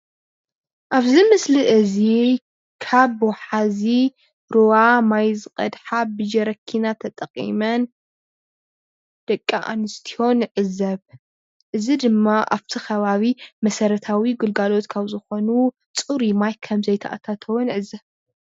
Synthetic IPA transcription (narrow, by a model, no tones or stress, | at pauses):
ʔaβzimɨsliʔɨzi | kʰaβwaħazi | ɾowamajzɨkʼɐ̰d̪ħabɨd͡ʒɐɾɐkʰːinat̪ʰɐt̪ʼɐqʼḭmɐn | d̪̥ɐkʼːaʔa̰nɨst̪ʰiho̞nʕɨzɐβ | ʔɨzid̪ɨmːaʔa̰βt̪ʰixʰɐβaβimɐsɐɾɐt̪ʰawiɡɨlɡalo̞t̪kʰaβzɨxo̞nu | t͡sʼuɾimajkʰɐmzɐjt̪ʰɐ̰ʔa̰t̪ʰat̪ʰɐwnʕɨzi